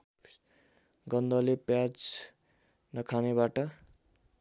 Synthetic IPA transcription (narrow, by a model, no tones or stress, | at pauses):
ɡʌnd̪ʌlepjad͡z | nʌkʰanebaʈʌ